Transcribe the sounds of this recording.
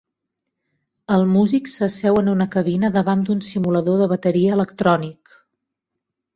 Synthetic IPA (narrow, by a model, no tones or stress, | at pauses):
əlˠmuziksəsɛwənunəkəβinəðəβand̪unsimuləðoðəβ̞ət̪əɾiəːləkt̪ɾɔnik